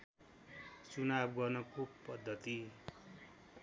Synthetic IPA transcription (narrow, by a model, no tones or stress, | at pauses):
t͡sunabɡʌrnʌkopʌd̪ʱːʌt̪i